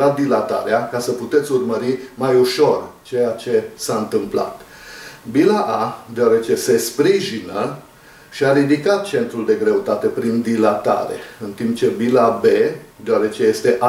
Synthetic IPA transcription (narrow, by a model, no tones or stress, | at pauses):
at̪̚d̪ilat̪a̰ɾeakasəput̪et̪sʲurməɾimajuʃo̞rt͡ʃe̞jat͡ʃe̞saɨnt̪ɨmpla̰t̪ | bilaʔad̪eaɾe̞t͡ʃe̞se̞spɾiʒinə | ʃiaɾid̪ikat̪̚t͡ʃe̞nt̪ɾuld̪e̞ɡɾe̞ut̪at̪e̞pɾind̪ilat̪a̰ɾḛɨnt̪impt͡ʃe̞bilabe̞d̪eoaɾe̞t͡ʃe̞je̞st̪e̞ʔa